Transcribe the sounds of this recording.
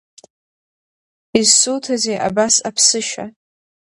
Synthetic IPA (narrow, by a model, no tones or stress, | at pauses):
izsuwtʰazejʔa̰basapʰsɨʃa̰